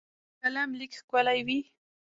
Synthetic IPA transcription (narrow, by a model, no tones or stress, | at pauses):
kalamlɪkkwalajwi